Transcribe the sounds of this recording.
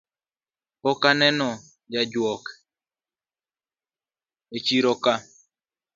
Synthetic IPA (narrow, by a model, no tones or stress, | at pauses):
ɔkanɛnɔ | d͡ʒad͡ʒwɔk | et͡ʃiɾɔka